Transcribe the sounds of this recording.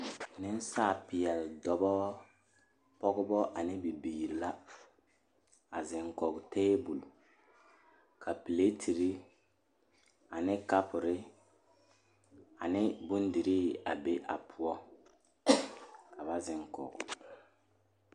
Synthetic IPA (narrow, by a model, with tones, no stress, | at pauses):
nɪ˦n˦saː˦˨pɪ˨ɛ˨ldɔ˨bɔ˦ | pɔ˦ɡʊ˦bɔ˦ʔa˨nɪ˦bi˨biː˨ɾi˨la˦ | a˨zɪ˨ŋkɔ˨ɡʊ˨teː˦bu˨lu˨ | kʰa˨pi˨le˦tʰi˨ɾi˦ | a˨nɪ˦ka˦pʊ˨ɾɪ˦ | a˨nɪ˦bʊ˦n˦di˨ɾi˦a˨be˦ʔa̰˨pʰʊ˨ɔ˦ | ka˨ba˦zɪ˨ŋkɔ̰˨ɡʊ̰˨